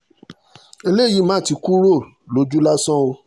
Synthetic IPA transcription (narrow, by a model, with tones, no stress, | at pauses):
e˧le˦˨ji˨˦mã˦˨ti˨˧ku˦ɾo˦˨ | lo˨˦d͡ʒu˦la˦sɔ̃˦o˧